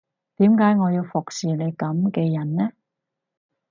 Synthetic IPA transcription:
t̪iː˨˥mkaː˨˥jŋɔː˨˧jiː˧wfʊ˨k̚siː˨le˨˧jkɐ˨˥mkɛː˧jɐ˨˩nnɛː˥

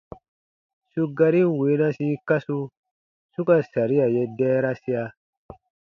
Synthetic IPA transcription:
su˦ɡa˦ɾi˦n˦˨weː˨˦nã˦si˦ka˦su˦ | su˦ka˨sa˨ɾi˦ja˨je˦dɛː˦ɾa˦si˦a˧

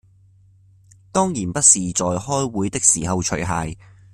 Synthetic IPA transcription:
t̪ɔː˥ŋjiː˨˩npɐ˥t̚siː˨t͡sɔː˨jhɔː˥jwuː˨˥jt̪ɪ˥k̚siː˨˩hɐ˨wt͡ʃʰɵ˨˩ɥɦaː˨j

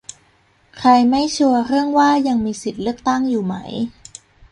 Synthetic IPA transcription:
kʰɾa˧jma˥˩jt͡ɕʰu˧ɐɾɯ˥˩əŋwaː˥˩ja˧ŋmiː˧si˨˩t̪̚lɯ˥˩ək̚t̪a˥˩ŋjuː˨˩ma̰˦˥j

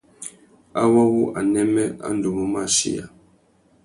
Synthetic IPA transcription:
a˦wa˦wu˦ʔa˨nɛ˦mɛ˦a̰˦n˦du˨mu˦ma˦˨ʃḭ˦ja̰˨

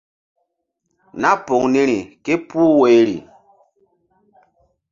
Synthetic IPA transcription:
na˦po˨ŋni˦ɾi˨ke˦puː˦we˨˦ɾḭ˨

